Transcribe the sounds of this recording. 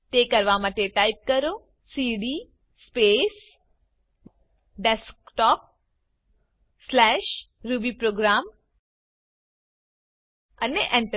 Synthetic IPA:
t̪ekɐɾʋamat̪eʈaːɪp̚kəɾo | siːɖiː | speːs | ɖeskʈɔːp̚ | slɛːʃ | ɾubipɾoːɡɾaːm | ɐneʔɛ̃ɳʈə

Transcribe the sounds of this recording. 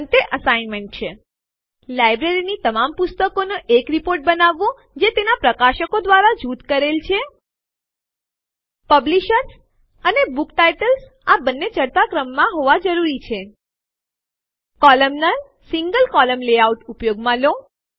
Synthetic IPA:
nt̪eʔəsajnmeɳʈ̚t͡ʃʰe | lajbɾeɾinit̪əmampust̪əkonoʔekɾipoɾʈ̚bənaʋːõ | d͡ʒet̪enapɾəkaʃəkod̪ʋaɾad͡ʒut̪kəɾelt͡ʃʰe | pəbliʃəɾs | ənebukʈajʈəls | abənːet͡ʃəɾt̪akɾəmːãɦoʋad͡ʒəɾuɾit͡ʃʰe | kɔləmnə | siŋɡəlkɔləmleauʈupjoɡmãlõ

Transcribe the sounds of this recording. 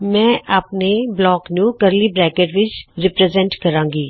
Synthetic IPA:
mɛ̃ːʔaːpneblɔːknũːkəɾliːbɾɛːkeʈʋɪt͡ʃɾɪpɾɛːzɛ̃ɳʈkəɾãːŋɡiː

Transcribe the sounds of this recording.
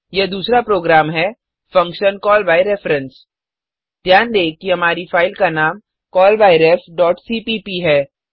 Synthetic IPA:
jed̪uːsɾapɾoːɡɾaːmɦɛ | fɐ̃ŋkʃənkɔːlbaːiɾɛfɾə̃ns | d̪̥jaːnd̪eːkːiɦɐmaːɾifaːɪlkanaːm | kɔːlbaːɪɾɛːfɖɔːʈsiːpiːpiɦɛː

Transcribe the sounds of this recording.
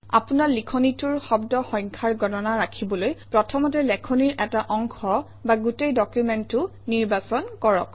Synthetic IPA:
a̰punaɹlikʰɔnitʊɹxɔbdɔxɔ̃jŋkʰaɹɡɔnɔnaɹakʰibɔlojpɹɔtʰɔmɔtɛlɛkʰɔniɹɛtaʔɔŋkʰɔ | baɡutejdɔkjumɛntʊ | niɹbasɔnkɔɹɔ̰k

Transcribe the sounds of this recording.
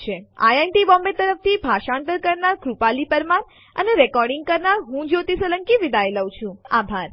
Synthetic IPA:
t͡ʃʰea̰janʈibɔmbet̪əɾəf̚t̪ʰibʱaʃaɳʈ̪əɾkəɾnaɾkɾupalipəɾmaɾ | ə̰neɾɛkɔɾɖɪ̃ŋɡ̚kəɾnaɾɦũd͡ʒot̪isələŋkiʋid̪ajləwt͡ʃʰũabʱaɾ

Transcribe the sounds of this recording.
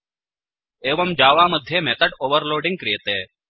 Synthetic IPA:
eːʋəmd͡ʑaːʋaməd̪ʱːjemet̪əʈoːʋəɾloːɖɪŋɡ̚kɾijt̪eː

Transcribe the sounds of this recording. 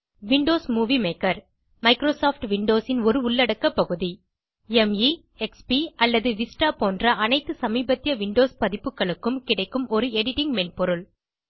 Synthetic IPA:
ʋɪɳɖoːsmuːʋimeːkɐɾ | mɐɪkɾoːsoːfʈʋɪɳɖoːsɪnɔɾɯʊɭːɐɽɐkːɐpːɐɣɯði | ɛmi | ɛkspiɐlːɐðɯʋɪsʈaːpoːndrɐʔɐnɐɪt̪ːɯsɐmiːbɐt̪ːɪjɐʋɪɳɖoːspɐðɪpːɯkːɐɭɯkːɯmkɪɽɐɪkːɯmɔɾɯɛɽɪʈɪŋɡmɛnpɔɾɯɭ

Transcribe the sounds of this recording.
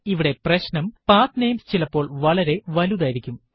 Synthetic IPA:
iʋiɽe̞prɐɕnɐmpaːt̪nejmst͡ɕilɐpːo̞ːɭʋɐɭɐɾe̞ʋɐluðaːjiɾikʲːum

